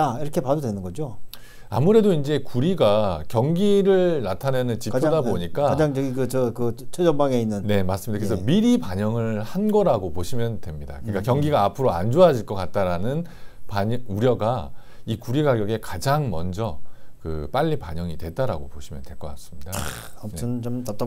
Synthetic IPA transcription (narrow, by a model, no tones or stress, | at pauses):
aiɾʌkʰepadodwenɯnɡʌd͡ʑo | a̰muɾe̞doind͡ʑe̞kuɾiɡakjʌŋɡiɾɯɭnatʰanenɯnt͡ɕipk͈ɯdaboɲikk͈aad͡ʑaŋd͡ʑʌɡikɯt͡ɕʌkɯt͡ɕʰwed͡ʑʌbaŋe̞inːɯnne̞mas͈ɯmɲidakeesʰʌmiɾipaɲʌŋɯɭhanɡʌɾaɡopoɕʰimjʌndwe̞mɲida̰kɯɯɲik͈akjʌŋɡiɡaːpʰɯɾoa̰nd͡ʑoad͡ʑiɭk͈ʌk͈at̚t͈aɾanɯn | paɲuɾjʌɡaikuɾiɡaɡjʌɡe̞kad͡ʑaŋmʌ̰nd͡ʑʌkɯ̰p͈aʎːipaɲʌŋidtwe̞taɾa̰ɡo̰poɕʰimjʌ̰ntwe̞ɭk͈ʌk͈as͈ɯ̥mɲida | nt͡ɕomtat͈